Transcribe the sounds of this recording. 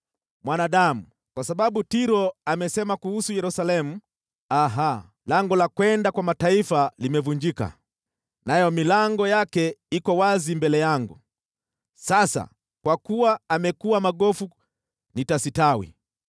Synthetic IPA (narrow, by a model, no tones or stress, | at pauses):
mwanaɗamu | kwasaɓaɓutiɾɔamɛsɛmakuhusujɛɾusalɛmu | aɦa | laŋɡɔlakwɛndakwamataifalimɛvuɲd͡ʒika̰ | najɔmilaŋɡɔjakɛikɔwazimbɛlɛjaŋɡu | sasa̰ | kwakuwaːmɛkuwamaɠɔfu | nitasitawḭ